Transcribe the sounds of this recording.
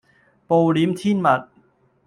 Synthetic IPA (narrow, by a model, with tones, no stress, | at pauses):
po˨˧wliː˨˥mt̪ʰiː˥˩nmɐ˨˩t̚